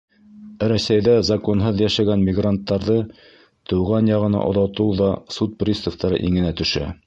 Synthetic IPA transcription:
ɾæsæjðæzɑkonɦɤðjæʃæɡænmʲɪɡrant̪ːɑɾðɤ | t̪ɤ̆wʁɑnjɑʁɤ̆nɑ̰ʔo̰ðɑt̪ɤwðɑsut̪̚prʲist̪ŏft̪ɑɾɤ̰ʔiŋɘ̆næt̪ɵ̆ʃæ̰

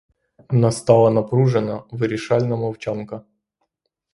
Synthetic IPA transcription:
ɐnast̪ɑlˠənɐpɾuʐɨnəvɨɾʲɪʂalʲnəmɐwt͡ɕankə

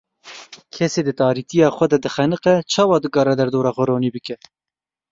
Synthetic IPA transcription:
kʰɛseːd̪ɨt̪ɑːɾit̪ijɑːxʷɛd̪ɛd̪ɨxɛnɨqɛt͡ʃʰɑːwɑːd̪ɨkɑːɾɛd̪ɛɾd̪oːɾɑːxʊɾoːniːbɨkɛ

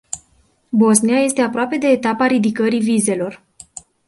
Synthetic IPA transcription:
bo̞zniaje̞st̪e̞apɾoape̞d̪e̞ːt̪apaɾid̪ikəɾivize̞lo̞r

